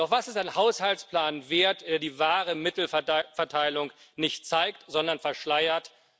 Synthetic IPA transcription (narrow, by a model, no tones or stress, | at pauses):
d̥ɔχv̥asɪstaɪnhaʊshaltt͡spl̥aːnveːɐtd̥eːɐdiːvaːʁəmɪtl̩fɛɐtʰaɪlʊŋnɪçtt͡saɪktz̥ɔndɐnfɛɐʃlaɪɐt